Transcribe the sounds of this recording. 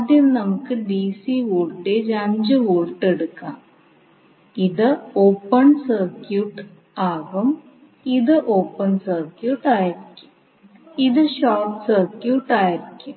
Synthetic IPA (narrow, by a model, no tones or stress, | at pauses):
ɐðinnɐmukːɨɖiːsiʋoːlʈːeːd͡ʑɐɲd͡ʑɨʋoːlʈːeɽukːaːm | iðɨoːpːɐnsɐrkjuːʈ | aːɣɐm | iðɨʔoːpːɐnsɐrkjuːʈaːjiɾikʲːu̥ | iðɨɕaːʈsɐrkjuːʈːaːjiɾikʲːum